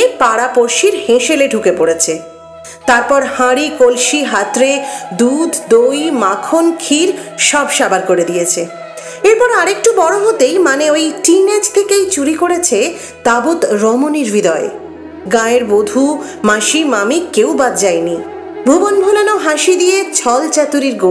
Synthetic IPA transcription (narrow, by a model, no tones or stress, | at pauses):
epaɽapoɾʃiɾhẽʃeleɖʱukepoɽet͡ɕʰe | t̪aɾpɔɾhãɾikolʃiɦat̪ɾed̪ud̪ʱd̪ojmakʰonkʰiɾʃɔbʃabaɾkoɾed̪ijet͡ɕʰe | eɾpɔɾaɾek̚ʈubɔɽoɦot̪ejmaneojʈined͡ʑt̪ʰekejt͡ɕuɾikoɽet͡ɕʰe | t̪abut̪ɾɔmoniɾbʱid̪ɔe | ɡãeɾbod̪ʱu | mãʃimamikewbad̪d͡ʑajni | bʱubonbʱulanoɦãʃid̪ijet͡ɕʰɔlt͡ɕɛt̪uɾiɾɡo